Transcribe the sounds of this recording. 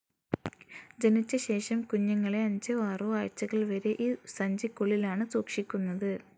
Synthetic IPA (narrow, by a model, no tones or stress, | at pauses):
d͡ʑenit͡ɕːɐɕe̞ːʂɐmkuɲːɐŋːɐɭe̞ɐɲd͡ʑɐʋaːruaːɻt͡ɕːɐɣɐɭʋɐɾeʔiːsɐɲd͡ʑikːoɭːilaːɳɨsoːkʂikʲːunːɐðɨ